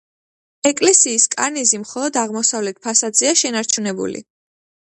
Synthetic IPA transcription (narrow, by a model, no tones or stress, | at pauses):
ɛkʼlɛsiːskʼaɾnizimχɔlˠɔd̪aʁmɔsavlɛt̪̚ʰpʰasad̪zɛaʃɛnaɾt͡ʃʰunɛbṵlḭ